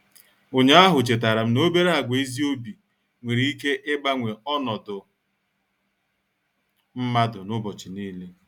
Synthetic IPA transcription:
o˨ɲ˦a˦ɦʊ˨t͡ʃe˨t̬a˨ɾa˨m̩˦no˦be˦ɾa˦a˨ɡʷe˨i˦zi˦o˦bi˨ | ŋʷe˨ɾi˨i˦ke˦ʔɪ˦ba˦ŋʷe˨ɔ˦nɔ˨dʊ˨ | m̩˦ma˦dʊ˨nʊ˦bɔ˨t͡ʃi˨niː˦le˦

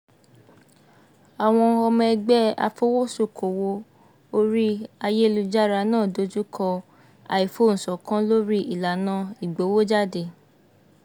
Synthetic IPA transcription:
a˨w̃ɔ̃˧ɔ˧mɛ̃˧ɡ͡bɛ˦a̰˧fo˦wo˦so˦˨kʰo˨wo˧ | o˦ɾi˦a˧je˦lu˧d͡ʒa˦ɾa˧nãː˦˨do˨˦d͡ʒu˦kʰɔ˧ | a̰˨i˨fo˨˦˨ñ̩˨sɔ˨kã˦lo˦ɾi˦ʔi˦˨la˨nã˦i˨ɡ͡bo˨˦wo˦d͡ʒa˦˨de˧˨

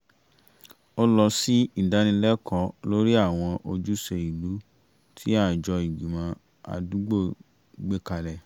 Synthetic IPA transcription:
o˦lɔ˧si˦i˦˨da˨˦nĩ˧lɛ˦kʰɔ˨˦lo˦ɾi˦a˦˨w̃ɔ̃˧ʔo˧d͡ʒu˦se˧i˨lu˨˦ | tʰi˦a˦˨d͡ʒɔ˧i˨ɡi˨mã˧ | a̰˧du˦ɡ͡bo˦˨ | ɡ͡be˦ka˧lɛ˧˨

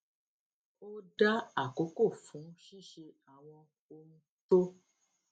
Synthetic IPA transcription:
o˦da˦a˦˨ko˨˦ko˦˨fũ˨˦ʃi˦˨ʃe˧a˨w̃ɔ̃˧ | o˧mũ˧ | t̪o˦

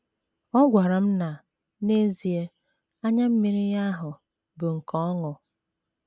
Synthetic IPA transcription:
ɔ˦ɡʷa˨ɾa˨m̩˦na˨ | ne˦zi˨e˦ | a˦ɲa˦m̩˦mi˦ɾi˦ja˦ɦʊ˨ | bʊ˨ŋ̩˨kɔ˨˦ɔ˦ŋɔ˨

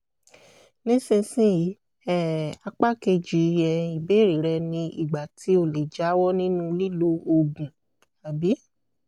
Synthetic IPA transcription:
nĩ˦sĩ˧sĩ˦ji˨˦ | ɛ˦˨a˧k͡pa˦ke˧d͡ʒi˨˦˧jɛ˧i˨be˨˦ɾi˨ɾɛ˧nĩ˧i˦˨ɡ͡ba˨ti˨˦o˦˨le˨d͡ʒa˨˦wɔ˦nĩ˦nũ˦li˦lo˦o˧ɡũ˨ | a˨bi˨˦

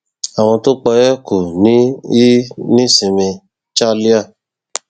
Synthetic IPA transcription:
a˨w̃ɔ̃˧to˦k͡pɔ˧jɛ˦ko˨nĩ˨˦i˦nĩ˦sĩ˨mẽ˧ | t͡ʃa˦li˦a˦˨

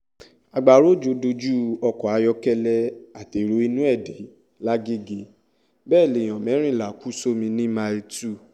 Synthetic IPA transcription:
a˨ɡ͡ba˨ɾo˦d͡ʒo˨˦do˧d͡ʒu˦ɔ˧kɔ˨a˧˦jɔ˧kɛ˦lɛ˦a˨te˨ɾo˨˦i˧nũ˦ɛ˦˨de˨˦ | la˦ɡe˦ɡe˧ | bɛː˦˨le˨j̃ɔ̃˨mɛ̃˨˦ɾ̃ĩ˦˨la˨ku˦so˦mĩ˧nĩ˦ma˧i˧tu˦˨

